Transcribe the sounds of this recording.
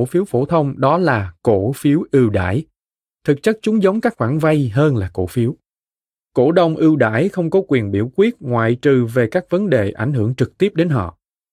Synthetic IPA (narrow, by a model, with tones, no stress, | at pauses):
fi˨˦əwfo˧˩t̪ʰə˧wŋ͡mɗɔ˨˦laː˨˩ko˧˩fi˨˦əwʔɨ˧wɗa̰ː˧˥˨j | t̪ʰɨ˨˩k̚t͡ɕə˦˥k̚t͡ɕʊ˨˦ŋ͡mzə˨˦wŋ͡mkaː˦˥k̚xwaː˧˩nva˧jɦəː˧nlaː˨˩ko̰˧˩fi˨˦əw | ko̰˧˩ɗə˨˩wŋ͡mʔɨ˧wɗa̰ː˧˥jxə˧wŋ͡mkɔ˨˦kwi˨˩ənɓḭ˧˩əwkwi˦˥ət̚ŋwa̰ː˧˨jt͡ɕɨ˨˩ve˨˩kaː˦˥k̚və˨˦nɗe˨˩ʔa˧˩jŋ̟ɦɨ˧˩əŋt͡ɕɨ˨˩k̚t̪i˦˥əp̚ɗe˨˦nɦɔ̰˧˨